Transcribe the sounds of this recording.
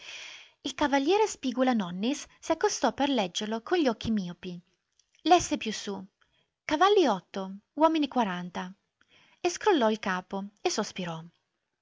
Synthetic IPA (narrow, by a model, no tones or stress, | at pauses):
ilkavalːjɛːɾespiːɡulanɔnːisːiakːost̪ɔperlɛd͡ʒːeɾlokonʎɔk̟ːimiopi | lɛsːepjusu | kavalːiɔt̪ːowɔːminikwaɾant̪a | eskɾolːɔilkaːpoesospiɾɔ